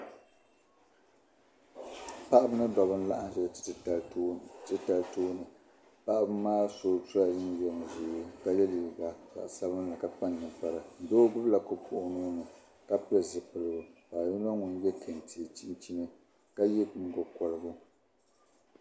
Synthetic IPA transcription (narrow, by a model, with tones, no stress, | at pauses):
pa˦ʔa˦bɨ˦nɨ˦dɔ˨bɨ˦n˦la˦ʔa˦n˦ʃɛ˦lttːtɨ˦ta˨ltoː˦nɨ˨ | pa˦ʔa˦bɨ˦maː˦soː˨tʊ˦a˨dɨ˦n˦jɛ˦n˨zu˨˦ka˦jɛ˦li˨ba˦ka̰˨ʔsa˦bɨ˦la˨ka˨k͡pa˦n˨ɲɨ˨pa˨ɾa˨n̩˨doː˦bʊ˦bla˨kʊ˨pʰʊ˨ʔʊ˨noː˦nɨ˨ | ka˦pɨ˦ɨ˨zɨ˨pɨ˨lɨ˦ɡʊ˨paː˨ji˦n˦a˦ŋʊ˦n˦jɛ˦kʰe˨n˨tʰi˨t͡ʃi˦t͡ʃi˦nɨ˦ | ka˦ji˦˨ŋ̩˨ɡʊ˨kɔ˨lɨ˦ɡʊ˦